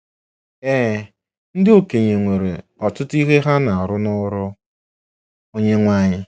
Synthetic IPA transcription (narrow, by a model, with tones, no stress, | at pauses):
eː˦ | n̩˦dɪ˦o˨ke˨ɲe˨ŋʷe˨ɾe˨ɔ˨tʊ˦ti˦ɦe˦ɦa˦na˨a˨ɾʊ˦nʊ˦ɾʊ˦ | o˦ɲe˦ŋʷa˦ɲɪ˦